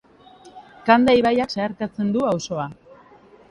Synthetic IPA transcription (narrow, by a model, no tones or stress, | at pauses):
kand̪aiβajakseaɾkat͡se̞nd̪uawso̞a